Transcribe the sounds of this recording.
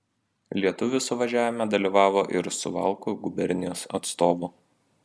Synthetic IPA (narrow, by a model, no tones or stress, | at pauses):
lʲiɛt̪ʊʋʲɪsʊʋɐʒʲæːʋʲɪmʲɛd̪ɐlʲiːˑʋɑːʋoːʔɪɾsʊʋɐ̰lˠkʊɡʊbʲɛɾʲnʲɪjoːsɐ̰t̪st̪oːʋʊ